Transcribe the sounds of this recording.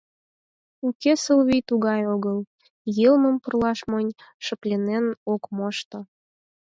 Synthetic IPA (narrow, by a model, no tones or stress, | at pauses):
ukesəlβijt̪uɣɑjoɣəl | jəlməmpərlɑʃmənʲʃə̆plʲenenokmoʃt̪ŏ